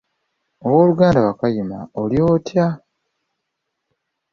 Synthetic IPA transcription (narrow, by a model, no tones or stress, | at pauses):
owo̞ːluɡaːndawakajima̰oljo̞ːtja